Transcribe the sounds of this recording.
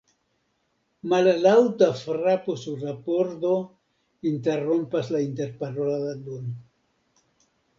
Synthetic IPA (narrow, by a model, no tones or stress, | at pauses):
mallawtafɾaposuɾːapoɾd̪o̞ | inte̞ɾompaslainte̞ɾpaɾolaad̪on